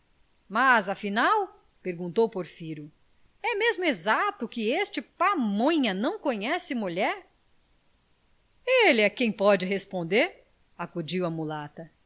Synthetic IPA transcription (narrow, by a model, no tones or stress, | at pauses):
mazɐfinaw | peɾɡũnt̪owpoɾfiɾʊ | ɛmezmʊezat̪ʊkɪest͡ʃɪpamõɲɐnɐ̃w̃kõɲɛsɪmuʎɛɾ | elɪɛkẽj̃pɔd͡ʒɪɦespõnd̪eɾ | akud͡ʒiwɐmulat̪ɐ